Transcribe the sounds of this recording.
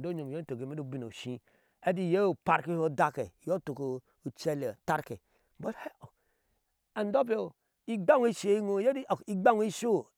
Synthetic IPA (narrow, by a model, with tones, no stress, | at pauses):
do˦ɲo˨m˨jo˦to˨ɡe˨me˦do˦bi˦˨no̰˨ʃĩ˦ | e˦di˦˨je˦o˨pa˨ɾki˦ho˦da˦ke˨jo˦to˨ko˨ | o˨t͡ʃe˦le˨ta˦ɾke˨˦ | bo˦the˦˨ | a˨n˦do˦pe˨o˨ | i˦ɡ͡ba˦ŋ˦i˦ʃe˨˦i˦ŋo˦˨je˦di˦˨i˦ɡ͡ba˦ŋ˦i˦ʃo˦